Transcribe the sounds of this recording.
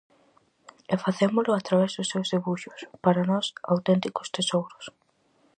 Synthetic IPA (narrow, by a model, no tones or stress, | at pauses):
ɛfaθemʊlʊat̪ɾaβɛzðʊsːewzðeβuʃʊspaɾanɔsawt̪ɛnt̪ikʊ̥st̪esowɾʊs